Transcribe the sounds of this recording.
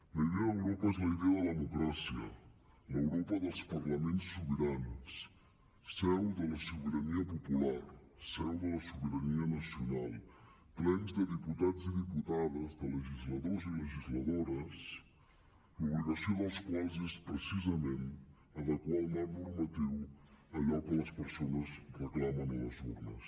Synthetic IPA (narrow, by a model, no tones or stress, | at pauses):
ləiðɛəwɾɔpəezləiðɛəðəlðəmukɾasiə̰ | ləwɾɔpəðəlˠspəɾləmensːuβəɾansː | ɛwðələsuβəɾəniəpupulaɾ | sɛwðələsuβəɾəniənəsiunalˠ | plɛnzðəðiput̪ad͡ziðiput̪aðəzðələʒizləðoziləʒizləðoɾəs | uβliɣəsioðəlˠskwalˠzespɾəsizəmen | əðəkwalmannuɾmət̪iwəʎɔkələspəɾsonəsruklamənələzurnəs